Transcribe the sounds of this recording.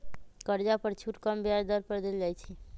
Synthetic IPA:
kəɾd͡ʒapəɾt͡ʃʰuʈkəmbjaɾd̪əɾpəɾd̪eld͡ʒajt͡ʃʰi

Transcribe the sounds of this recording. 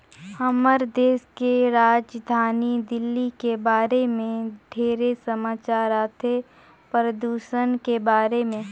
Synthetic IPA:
ɐməɾd̪eːskeɾaːd͡ʒd̪ʱaːnid̪ɪlːikebaːɾemẽɖʱeːɾesəmaːt͡ʃaːɾaːt̪ʰe | pɾəd̪uːʃənkebaːɾemẽ

